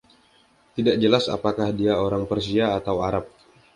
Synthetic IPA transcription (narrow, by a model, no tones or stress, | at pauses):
t̪idaʔ̚d͡ʒəlasa̰pakahdiaoɾaŋpərsiaːt̪awaɾap̚